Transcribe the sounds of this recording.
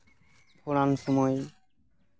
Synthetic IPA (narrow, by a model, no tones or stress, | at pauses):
pʰoɾanʃɔmɔj